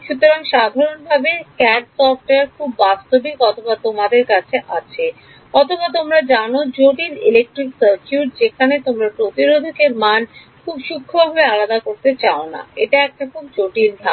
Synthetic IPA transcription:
ʃut̪oɾaŋʃad̪ʱaɾonbʱabekɛɖsɔfʈaɾkʰubːast̪obikɔt̪ʰobat̪omad̪eɾkat͡ɕʰeʔat͡ɕʰe | ɔt̪obat̪̬omɾad͡ʑanod͡ʑoʈinilek̚ʈɾiksəɾkuʈd͡ʑekʰanet̪omɾapɾot̪iɾod̪ʱokeɾman | kʰubʃukʰːobʱabealad̪akoɾt̪et͡ɕaona̰eʈaɛk̚ʈakʰub̚d͡ʑoʈind̪ʱa

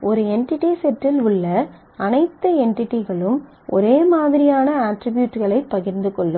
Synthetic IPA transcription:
ɔɾɯɛɳʈɪʈːisɛʈrɪlʊɭːɐ | ɐnɐɪt̪ːɐɛɳʈɪʈːɪɣɐɭɯm | ʔɔ̰ɾeːmaːðɪɾɪjaːnɐaːʈɾɪbjuːʈːɣɐɭɐɪpːɐɣɪɾnd̪ɯkɔɭːɯm

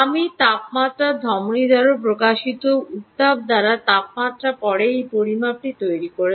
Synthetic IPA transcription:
amit̪apmat̪ːɾad̪ʱɔmnid̪aɾop̬ɾokaʃit̪out̪ːab̚d̪aɾat̪ap̚mat̪ːɾapɔɽeejpoɾimap̚ʈit̪ojɾikoɾe

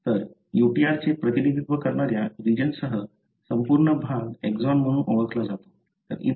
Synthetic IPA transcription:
t̪əɾ | juʈiaɾt͡sepɾət̪inid̪ʱit̪ʋəkəɾɳaɾjaɾid͡ʑənsəɦə | səmpuɾɳəbʱaɡekzɔnm̤əɽ̃ũːnʔoʋəklad͡zat̪o̥ | t̪ə̰ɾḭ

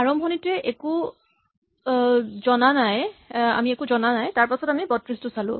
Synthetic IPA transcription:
aɹɔmbʱɔnitɛʔeku | zɔnanaja̰miekuzɔnanajtaɹpasɔtamibɔtɹistʊsalʊ̰̃

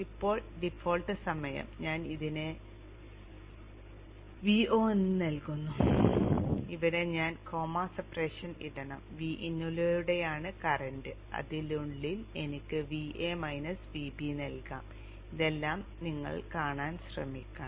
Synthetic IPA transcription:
ipːo̞ːɭɖifo̞ːlʈɨsɐmɐjɐ̰mɲaːniðinɨ | ʋioːenːɨnɐlkunːu | iʋɐɾeɲaːnkʰo̞ːmaːsɐpreʂɐnḭɽɐɳɐ̰mʋiːʔinːulɐɾuɽe̞jaːɳɨkɐrɐɳɖɨ | ɐ̰ðiluɳlile̞nikʲːɨʋiʔeːmɐjnɐsʋiːbinɐlka̰ːm | iðe̞lːaːmniŋːɐ̰ɭkaːɳaːnɕrɐ̰mikʲːɐɳ

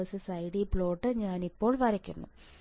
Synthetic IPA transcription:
ɐsɨsɐjɽipɭo̞ːʈːɨɲaːnipːo̞ːɭʋɐɾɐkʲːunːṵ

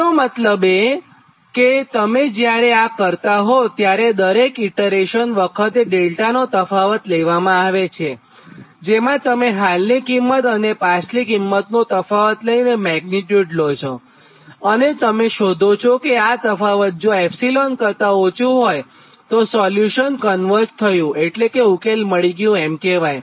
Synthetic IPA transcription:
omət̪ləbe | ket̪əmed͡ʒjaɾeakəɾt̪aɦot̪jaɾed̪əɾekiʈəɾeʃənʋəkʰət̪eɖelʈanot̪əfaʋət̪leʋamãaʋet͡ʃʰe | d͡ʒemãt̪əmeɦalnikimːət̪ənepaslikimːət̪nũt̪əfaʋət̪ləinemɛɡniʈjuɖlot͡ʃʰo | ənet̪əmeʃod̪ʱot͡ʃʰokeat̪əfaʋət̪̚d͡ʒõɛpsilonkəɾt̪aot͡ʃʰũɦoj | t̪osɔljuʃənkənʋəɾst̪ʰəjũeʈlekeukelməɭiɡjũɛmkeʋaj

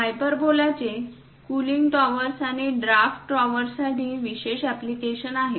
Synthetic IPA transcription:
ɦajpəɾbolat͡se | kuliŋɡʈɔʋəɾsaɽeɖɾafʈːɾɔʋəɾsaʈiːʋiɕeɕæplikeɕənaɦe

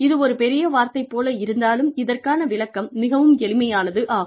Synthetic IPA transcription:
ɪðɯɔɾɯpɛɾɪjɐʋaːɾt̪ɐɪpːoːlɐɪɾɯnd̪aːlɯmɪðɐrkaːnɐʋɪɭɐkːɐmnɪɣɐʋɯmɛɭɪmɐjaːnɐðɯʔaːɣɯ

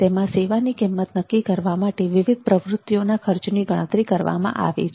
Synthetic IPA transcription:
t̪emãseʋanikimːət̪nəkːikəɾʋamaʈeʋɪʋɪd̪̚pɾəʋɾʊt̪ːjonakʰəɾt͡ʃniɡəɽ̃ə̃t̪ɾikəɾʋa̰mã̰ʔa̰ʋḭt͡ʃʰ

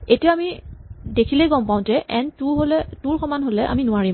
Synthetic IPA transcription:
etijaamidekʰilejɡɔmpaʊ̃d͡ʒɛʔɛntuɹɦolɛtuɹkʰɔmanɦolɛʔa̰minʊaɹim

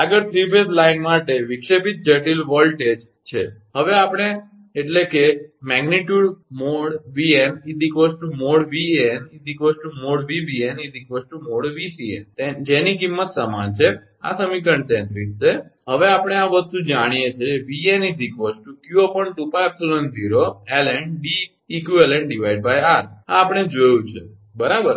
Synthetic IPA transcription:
aɡəɾt̪ʰɾipeslainmaʈeʋikʃepit̪̚d͡ʒəʈilʋɔlʈed͡ʒ | t͡ʃʰḛɦəʋeapəɽ̃e | eʈlekemɛɡniʈjuɽmoɽʋienid̪ʱikʋəsʈumoɽʋienid̪ʱikʋəsʈumoɽʋiʋienid̪ikʋəsʈumoɽʋisiḛnt̪ed͡ʒenikimːət̪səma̰nt͡ʃʰe | a̰səmik̬əɳɖt̪ɛ̃nt̪ɾit̪seɦəʋeapəɽ̃eaʋəst̪ũd͡ʒaɽ̃ijet͡ʃʰeʋienid̪ikʋəsʈukjuopəɳʈupaɛpsolənziɾoelɛɳɖiː | kjuelɛɳɖɖiʋaiɖ̚bajaɾaːpəɽ̃ed͡ʒojũt͡ʃʰe | bəɾabəɾ

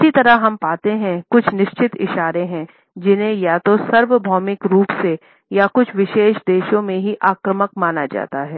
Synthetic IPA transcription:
ɪsit̪ɐɾəɦɐmpaːt̪eɦɛ̃kʊt͡ʃʰnɪʃt͡ʃɪt̪ɪ̰ʃaːɾẽɦɛ̃ | d͡ʒɪnɦẽjat̪osɐɾʋəbʱɔːmɪkɾuːpse | jakʊt͡ʃʰʋɪʃeːʃd̪eːʃõmẽɦiʔaːkɾəmək̚maːnad͡ʒa̰ːt̪aɦɛː

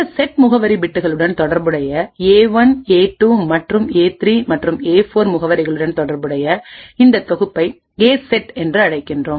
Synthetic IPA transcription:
ɐsɛʈmʊɣɐʋɐɾibɪʈːɯɣɐɭɯɽɐnt̪ɔɽɐɾbɯɽɐjɐeːʋɐneːʈːuːmɐʈrɯmeːt̪ɾiːmɐʈrɯmeːfoːɾmʊɣɐʋɐɾɐɪɣɐɭɯɽɐnt̪ɔɽɐɾbɯɽɐjɐɪnd̪ɐt̪ɔɣɯpːɐɪ | eːsɛʈɛndrɯɐɽɐɪkːɪndroːm

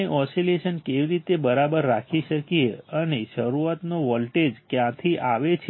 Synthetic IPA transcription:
eʔɔsileʃənkeʋiɾit̪ebəɾabəɾːakʰiʃəkieəneʃəɾuat̪noʋɔlʈed͡ʒkjãt̪ʰiʔaʋet͡ʃʰ

